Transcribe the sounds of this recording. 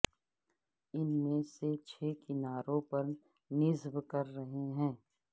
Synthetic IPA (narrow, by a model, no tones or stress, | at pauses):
ɪnmẽset͡ʃʰeːkɪnaːɾõpɐɾ | nɪzʋkɐɾːɐɦeɦɛ̃ː